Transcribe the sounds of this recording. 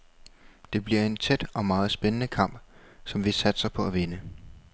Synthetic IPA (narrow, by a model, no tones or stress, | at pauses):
d̥e̝b̥liɐ̰e̝nt͡sʰed̥ɒ̽mɑ̈ːð̞̩ˠsb̥enənəkʰɑ̈m̰b̥sɒ̽mʋisæd̥sɑɪpʰɒ̽æʋenə